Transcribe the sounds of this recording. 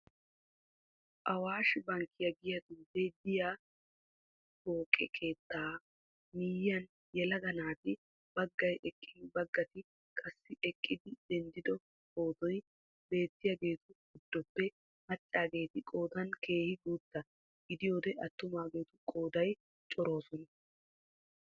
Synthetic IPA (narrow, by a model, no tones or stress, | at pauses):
ʔɐwaːʃɪbɐŋkʰːɪjɐɡɪjɐd̪ud̪ed̪ɪjaː | boːkʼːɛkʰe̞ːt̪ːaː | miːjːɐn | jɛlɐɡɐnaːt̪ɪ | bɐɡːɐjʔɛkʼːɪnbɐɡːɐt̪ɪ | kʼɐsːɪʔɛkʼːɪd̪ɪd̪ɛnd̪ɪd̪ɔ | kʼo̞ːd̪ɔj | be̞ːt̪ːɪjɐɡe̞ːt̪ʊɡɪd̪ːɔpːɛ | mɐt͡ʃʼːaːɡe̞ːt̪ɪkʼo̞ːd̪ɐnke̞ːhɪɡuːt̪ːɐ | ɡɪd̪ɪjo̞ːd̪ɛʔɐt̪ːʊmaːɡe̞ːt̪ʊkʼo̞ːd̪ɐj | t͡ʃʼɔɾo̞ːsɔnɐ